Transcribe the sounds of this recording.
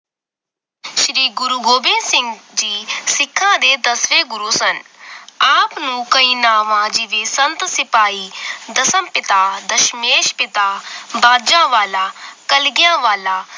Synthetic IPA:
ʃɾiːɡʊɾuɡoːbɪ̃nsɪ̃ŋɡd͡ʒiːsɪkʰːãːd̪eːd̪ɐsʋeːɡʊɾuːsɐnaːpnũːkɐĩːnaːʋãd͡ʒiʋesənt̪sɪpaːid̪ɐsəmpɪt̪aːd̪ɐʃmeːʃpɪt̪aːbaːɾd͡ʒãːʋaːlaːkɐlɡɪjãːʋaːlaː

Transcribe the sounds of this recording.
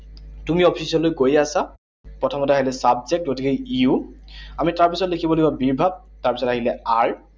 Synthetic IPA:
tumiɔpʰisiɔlojɡojasa | pɹɔtʰɔmɔtɛaɦilɛsabzek̚ɡotikejiuamitaɹpisɔtlekʰibɔlobabiɹbʱab̚taɹpisɔtaɦilɛaɹ

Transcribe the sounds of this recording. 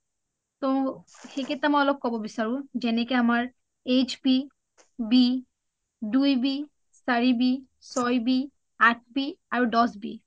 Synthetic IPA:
t̪õxeket̪amaɔlok̚kɔbobisaɹud͡ʑɛnekeamaɹ | ed͡ʑbi | bi | ɖujbi | saɹibi | sɔjbi | aʈ̚ʰbiaɹudɔsbḭ

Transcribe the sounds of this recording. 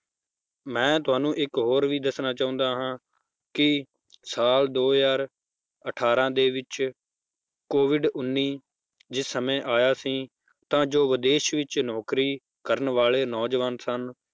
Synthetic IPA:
mɛ̃ːt̪ʊɦaːnũːʔɪkɦoːɾʋiːd̪əsnaːt͡ʃãːʊ̃nd̪aːɦãː | kɪ | saːld̪oːjaːɾ | əʈʰaːɾãːd̪eːʋɪt͡ʃ | koːʋɪɖʊnːiː | d͡ʒɪsːəmẽːʔaːjaːsĩː | t̪ãːd͡ʒoːʋəd̪eːʃʋɪt͡ʃnɔːkɾiː | kəɾənʋaːleːnɔːd͡ʒʋaːnsən

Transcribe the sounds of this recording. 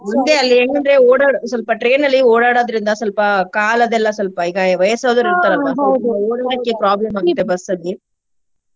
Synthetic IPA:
ʊnd̪eɐlːeɛɳːɯnɾeoːɽaːɽɯsɔlpaːʈɾeːnɐlːioːɽaːɽaːðɪɾɯnd̪aːsɔlpaːkaːlɐðɛlːãːsɔlpaːɪɣaːjɐʋɐjɐsaːðɐɾɾɯt̪ɐɾɐãːoːɽɐɡɐkːepɪɾaːblɐmaːŋɡɪt̪ːɐbɐsːɐd̪i

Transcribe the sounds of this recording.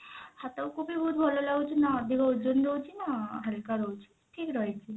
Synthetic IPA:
hat̪ɔwkubibʱɔut̪̚bʱɔlolaɡut͡ʃʰinad̪ikʰod͡ʒonɾowt͡ʃʰinaɦəlkaɾɔwt͡ʃʰi̥ | ʈʰiːkɾɔjt͡ʃʰi

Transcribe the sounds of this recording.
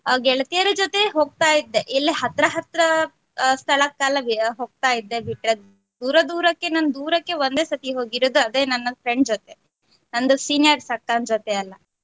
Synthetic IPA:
ɡɛɭɐt̪ijɐɾud͡ʒot̪e̞ɦoːɡ̚t̪aːjid̪ːe̞ʔilːiɦɐt̪ɾɐɦɐt̪ɾɐ | st̪ʰɐɭɐkːaːlɐɦoːɡ̚t̪aːjid̪ːe̞biʈɾe | d̪uːɾɐd̪uːɾɐkːe̞nɐnd̪uːɾɐkːe̞ʋond̪e̞ːsɐt̪iɦoːɡiɾoːd̪uɐd̪eːnɐnːɐpʰɾeɳɖd͡ʒot̪e | nɐnd̪usiːnijɐɾsɐkːaːnd͡ʒot̪eɐlːɐ

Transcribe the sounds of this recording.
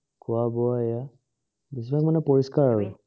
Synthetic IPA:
kʊabɔaɛja | bisibakmanɛpɔɹiskaɹaɹɛ

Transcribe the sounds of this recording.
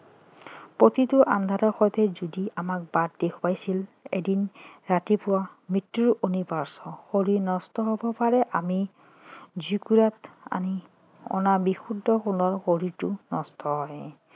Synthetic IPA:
pot̪itʊʔa̰nd̪ʱatɔɹxɔjt̪ʰɛzudiamak̚bat̚dekʰpajsilḛdinɹatipʊwamitːuɹunibaɹsɔxoɹinɔstɔɦobɔpaɹɛʔami | zukuɹata̰ni | ɔ̰nabixudːɔxunɔɹxoɹitʊnɔstʰɔɦɔj

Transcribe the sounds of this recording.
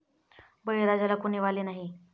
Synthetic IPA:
bəiɾad͡zalakuɳ̃iːʋaleːnaɦi

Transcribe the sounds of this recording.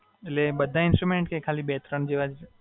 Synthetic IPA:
etlebəd̪ʱːaɪnsʈɾumeɳʈkekʰaːlibet̪ɾəɳd͡ʒeʋad͡ʒ

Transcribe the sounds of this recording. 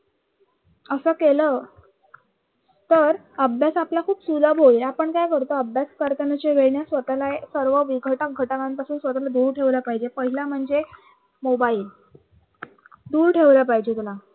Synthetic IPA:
əsəkelə | t̪əɾ | əbʱjasaplakʰuːpsuləbʱoilapəɳkajkəɾt̪oəbʱjaskəɾt̪anat͡ɕeʋeɭɳjasʋət̪alaesəɾʋəʋiɡʱəʈək̚ɡʱəʈakãnpasuːnsʋət̪alad̪uːɾʈʰeʋləpaɦid͡ʑepəɦilam̤əɳd͡ze | mobail | d̪uːɾʈʰeʋləpaɦid͡ʑet̪ula

